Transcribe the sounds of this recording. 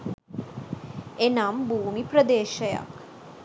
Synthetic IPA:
enambʱuːmipɾəd̪eːʃəja̰k

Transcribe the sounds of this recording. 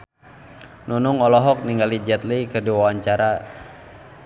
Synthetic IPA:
nunʊŋɔlɔɦɔk̚niŋɡalid͡ʒɛt̪̚likɨrdiwawaɲt͡ʃaɾa

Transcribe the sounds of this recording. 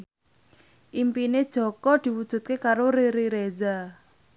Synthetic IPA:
ʔimpined̥ʒ̥ɔ̤kɔd̪̥i̤wud̥ʒ̥ṳt̪̚kekaɾoɾiɾiɾeza

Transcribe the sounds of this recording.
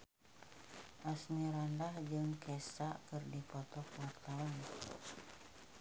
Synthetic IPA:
ʔasniɾandahd͡ʒɨŋkɛsakɨrdipɔt̪ɔkwart̪awan

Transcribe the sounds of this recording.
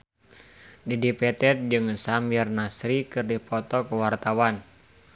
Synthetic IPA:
didipɛt̪ɛt̪̚d͡ʒɨŋsamɛrnasɾikɨrdipɔt̪ɔkuwart̪awan

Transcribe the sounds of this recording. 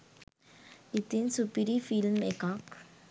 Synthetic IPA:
it̪insupiɾifilmekak

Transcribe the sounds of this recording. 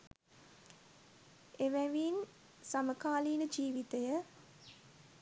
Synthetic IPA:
eʋæʋiːn | saməkaːliːnəd͡ʒiːʋit̪əjə

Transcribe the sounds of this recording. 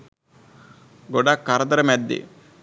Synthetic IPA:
ɡoɖakːaɾɐd̪ɐɾɐmɛd̪ːḭ

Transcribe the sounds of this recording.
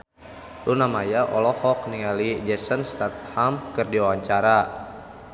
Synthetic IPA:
lunamajaʔɔlɔhɔk̚niŋalid͡ʒɛsənst̪at̪̚hamkɨrdiawaɲt͡ʃaɾa

